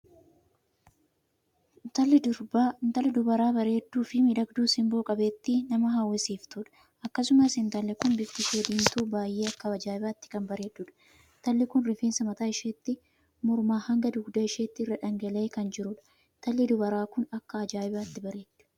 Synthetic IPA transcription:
nt̪ɐlːɪd̪ʊɾbaːnt̪ɐlːɪd̪ʊbɐɾaːbɐɾe̞ːd̪ːuːfɪmɪᶑɐɡd̪uːsɪmboːkʼɐbeːt̪ːɪnɐmɐɦaːwːɐsiːft̪ʊᶑɐ̥ | ʔɐkːɐs̬ʊmɐsɪnt̪ɐlːɛkʊnbɪft̪ɪseːd̪iːnt̪uːbaːjːeːɐkːɐɐd͡ʒaːɪbaːt̪ːɪ̥kɐmbɐɾe̞ːᶑːuːᶑɐ̥ | t̪ɐlːɪkʊnɾɪfeːnsɐmɐt̪aːɪʃeːt̪ːɪ | mʊɾmaːhɐŋɡɐd̪ʊɡd̪ɐɪʃeːt̪ːɪrːɐᶑɐŋɡɐleːkɐnd͡ʒɪɾʊᶑɐ̥ | nt̪ɐlːɪd̪ʊbɐɾaːkʊnɐkːɐɐd͡ʒaːɪbaːt̪ːɪbɐɾe̞ːt̪ːʊ̥

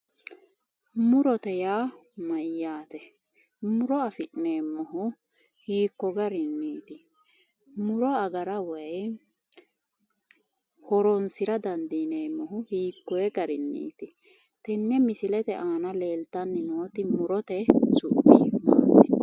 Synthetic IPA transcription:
mʊɾɔt̪ɛjaːmɐjːaːt̪ɛ | mʊɾɔɐfɪʔneːmːɔɦʊ | hiːkːɔɡɐɾɪnːiːt̪ɪ | mʊɾɔɐɡɐɾɐwɐj | hɔɾɔnsɪɾɐd̪ɐnd̪ineːmːɔɦʊhiːkːɔjɛɡɐɾɪnːḭːt̪ɪ | t̪ɛnːɛmɪsɪlɛt̪ɛʔaːnɐleːlt̪ːɐnːɪnoːt̪ɪmʊɾɔt̪ɛsʊbːḭma̰ːɪ̥

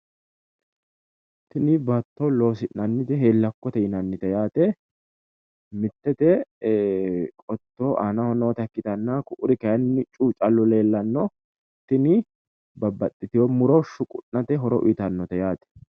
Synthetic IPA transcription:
t̪ɪnɪbɐt̪ːolo̞ːsɪnnɐnːɪt̪ɛɦeːlːɐkːɔt̪ɛɪnɐnːɪt̪ɛjaːt̪ɛ | mɪt̪ːɛt̪ɛ | kʼɔt̪ːoːʔanɐhɔnoːt̪ɐkːɪt̪ɐnːakʊʔʊɾɪkɐjɐnːɪt͡ʃʼuːt͡ʃʼɐlːɔle̞ːlːɐnːɔ | t̪ːɪnɪ | bɐbːɐt̪ʼːɪt̪ɪjɔmʊɾoʃʊkʼʊnːɐt̪ɛɦɔɾɔʔɪt̪ɐnːɔt̪ɛjaːt̪ɛ̥

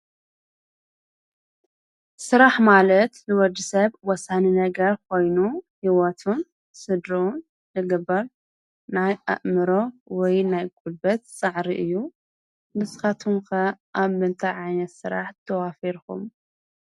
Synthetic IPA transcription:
sɨɾaħmalɐt̪lɨwɔd̪ɨsɐβwɔsaninɐɡɐɾkʰo̞jnuhiwɔt̪ʰun | sɨd̪ɾoun | zɨɡɐbːɐɾ | naja̰ʔmɨɾowɔjnajkʼulbɐt̪sʼaʕɾiʔɨjːu | nɨsɨxat̪ʰuŋkɐʔaβmɨnt̪ʰaʕajnɐt̪sɨɾaħt̪ʰɐwafiɾkṵm

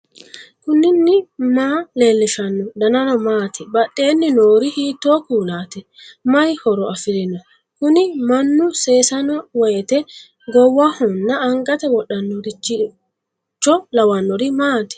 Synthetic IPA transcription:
kʊnːɪnːɪmaːle̞ːlːɪʃɐnːɔd̪ɐnɐnɔmaːt̪ɪbɐɗːe̞ːnːɪnoːɾɪhiːt̪ːoːkuːlaːt̪ɛ | mɐjhɔɾɔɐfɪlɪnɔ | kʊnɪmɐnːʊse̞ːsɐnɔwɔjɛt̪ɛ | ɡɔwːɐhɔnːɐːŋɡʼɐt̪ɛwɔɗːɐnːɔɾɪt͡ʃːɪ | t͡ʃːɔlɐwɐnːɔɾɪmaːt̪ɪ̥

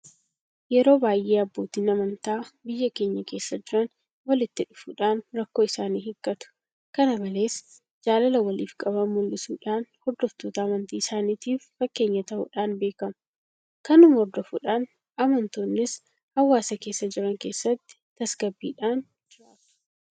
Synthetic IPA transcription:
jɛɾo̞ːbaːjʔeːɐbːo̞ːt̪iːnɐmɐnt̪aːbɪjːɐke̞ːɲːɐke̞ːsːɐd͡ʒɪɾɐn | wɐlɪt̪ːɪᶑʊfʊᶑaːnɾɐkːo̞ːɪsaːniːhɪkʼːɐt̪ʊ̥ | kɐnɐbɐle̞ːs | d͡ʒaːlɐlɐwɐliːfkʼɐbɐmʊlːɪsuːᶑaːnhɔɾd̪ɔft̪oːt̪ɐːmɐnt̪iːɪsaːniːt̪iːfːɐkːe̞ːɲːɐt̪ɐhʊ̰ᶑaːnbe̞ːkɐm | kɐnʊmhɔɾd̪ɔfʊᶑaːn | ɐmɐnt̪oːnːɪs | hɐwːaːsɐke̞ːsːɐd͡ʒɪɾɐŋke̞ːsːɐt̪ːɪ̥t̪ɐsɡɐbːiːᶑaːn | d͡ʒɪɾaːt̪ʊ̥

